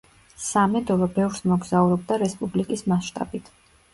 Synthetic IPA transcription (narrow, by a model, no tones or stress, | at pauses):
samɛd̪ɔlɔbɛvɾsmɔɡzauɾɔb̚d̪aɾɛspʼublikʼismasʃt̪ʼa̰bit̪ʰ